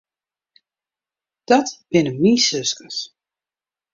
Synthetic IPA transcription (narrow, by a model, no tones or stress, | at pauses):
d̥ɔtb̥ɪnəmiːsøskəs